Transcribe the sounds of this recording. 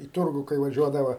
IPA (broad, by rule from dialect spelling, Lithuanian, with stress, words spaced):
iː ˈtʊrɡʊ kɐɪ ʋɐˈʒʲuɔdɐʋɐ